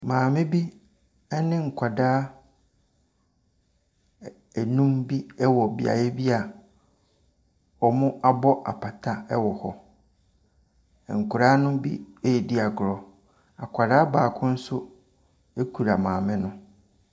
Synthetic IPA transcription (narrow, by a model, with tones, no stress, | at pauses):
mãː˨mɪ̃˦bi˦ | ɛ˦nɪ̃˦ŋ̩˨kʷʰa˨daː˦ | æ˨nũ˦mbi˦ɛ˦wɔ˨bḭ˦a̰˨jɛ˦bi˦a˨ | ɔ˨mʊ̃˦a˦bɔ˦ʔa̰˨pʰa˨tʰa˦ɛ˦wɔ˨hɔ˦˨ | ŋ̩˨kʰʊ˨ɾaː˦nʊ̃˦bḭ˦e˦jɛ˨di˦a˨ɡʊ˨ɾɔ˨ | a˨kʷʰa˨daː˦baː˨kʰʊ̃˦n̩˦sʊ˦ | e˦kʰu˨ɾa˨mãː˨mɪ̃˦nʊ̃˦